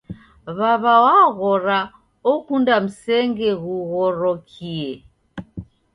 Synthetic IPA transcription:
βaβawaɣɔɾa | ɔkundam̩sɛŋɡɛɣuɣɔɾɔkʰiɛ

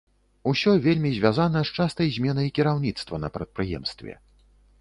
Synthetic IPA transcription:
usʲɔvʲelʲmʲizʲvʲazanɐʂt͡ʂast̪ɐjzʲmʲɛnɐjkʲiɾawnʲit̪st̪vɐnɐ̰pɾɐt̪̚pɾɨjɛ̰mst̪vʲɛ̰

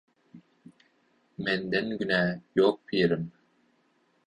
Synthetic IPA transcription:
mend̪enɡynæːjoːk̚pʰiːɾim

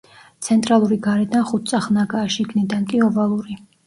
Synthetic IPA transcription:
t̪sʰɛnt̪ʼɾalˠuɾiɡaɾɛd̪anχut̪̚ʰt̪sʼaχnaɡaːʃiːkʰnɛd̪ankʼiɔvalˠuɾi

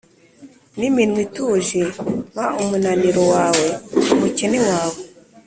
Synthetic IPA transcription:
niminwituʒemaumunaniɾowaːweumuceniwaːwe

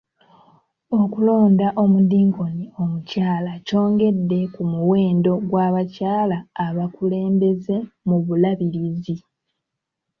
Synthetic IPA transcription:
o̞kulo̞ːndaʔo̞mudiːŋko̞nio̞mucaːlaco̞ːŋɡe̞dːe̞kumuwe̞ːndo̞ɡwaːβacaːlaːβakule̞ːmbe̞ze̞muβulaβiɾizi

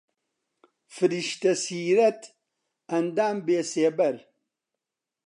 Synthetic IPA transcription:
fɨɾiʃt̪ɐsiːɾɐt̪ | ɐnd̪aːmbeːseːbɐɾ

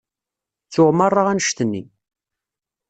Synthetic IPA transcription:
θʊʁmərˤːaʁænəʃt̪ənːḭ

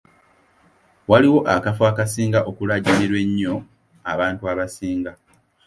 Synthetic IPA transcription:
waliwo̞ʔakafwaːkasiːŋɡaʔo̞kulaɟiniɾwe̞ɲːo̞ | aβaːntuaβasiːŋɡa

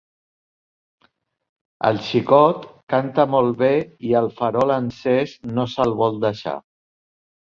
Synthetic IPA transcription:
ə̰lˠʃikɔt̪kant̪amɔlˠβeiəlˠfəɾɔlənsɛsnosəlˠβɔlˠd̪əʃa̰

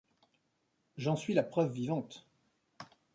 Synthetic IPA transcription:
ʒɑ̃sɥilapχœvːivɑ̃t̪

